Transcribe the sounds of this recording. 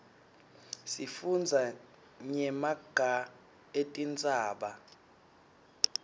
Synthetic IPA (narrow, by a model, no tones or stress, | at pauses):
sifund͡zʱa | ɲɛmaɡ̥ʱa | etʼind͡zʼaːɓa